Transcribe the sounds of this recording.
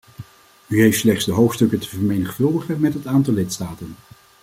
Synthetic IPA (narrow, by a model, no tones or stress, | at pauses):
yɦejftslɛχtsdəɦowxtstɵkətə̥vəɹmejnəχfɵlˠdəχənmɛtɦətaːntɑlˠɪtstaːtən